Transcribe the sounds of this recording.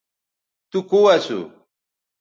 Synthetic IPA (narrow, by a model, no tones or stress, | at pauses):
t̪ʊkʊwasʊ̰